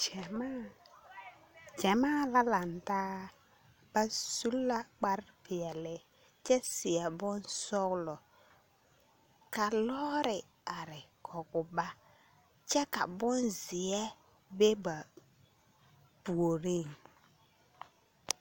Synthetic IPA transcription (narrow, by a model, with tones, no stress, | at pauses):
d͡ʒɛ˨ma˦ | t͡ʃɛ˨maː˦la˦la˨ntaː˦ | ba˦su˦lːa˦k͡pa˦ɾpɪ˨ɛ˨lɪ˨ | t͡ʃɛ˦sɪ˨ɛ˨bʊ˦nsɔ˦ɣlɔ˨ | ka˨lɔ˦ɾɪ˨ | a˨ɾɪ˨kʰɔ˨ɡʊ˨ba˦ | t͡ʃɛ˦ka˨bʊ˦nzɪ˨ɛ˦ | be˦ba˨ | pu˨o˨ɾe˦˨ŋ